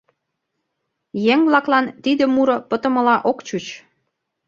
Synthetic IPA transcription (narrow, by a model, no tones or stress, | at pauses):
jeŋvlɑklɑnt̪id̪ə̆muɾɤ̆pə̆t̪ə̆mə̆lɑʔokt͡ɕut͡ɕ